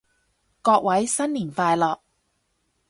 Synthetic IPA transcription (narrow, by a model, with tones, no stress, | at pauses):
kɔː˧k̚wɐ˨˥jsɐ˥nliː˨˩nfaː˧jlɔː˨k̚